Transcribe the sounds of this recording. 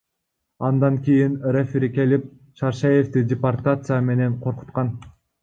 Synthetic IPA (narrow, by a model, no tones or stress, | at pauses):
ɑnd̪ɑŋkʲijinrefʲiɾike̞lip̚ | ʃɑɾʃeje̞ft̪idʲɪpart̪at̪sɨjame̞ne̞ɴqʰo̞ɾqu̥t̪qɑn